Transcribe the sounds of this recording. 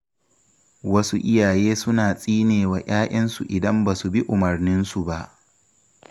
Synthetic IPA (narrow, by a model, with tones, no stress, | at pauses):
wɐ˦su˦ʔɪ˦jaː˨jeː˦sʊ˦naː˨sʼiː˦neː˨wa˨j̰aː˦ʔɐ˦nsu˨ʔɪ˨dɐ˦mba˨su˨bi˦ʔʊ˨mɐ˨rnɪ˦nsu˨ba˦ʔ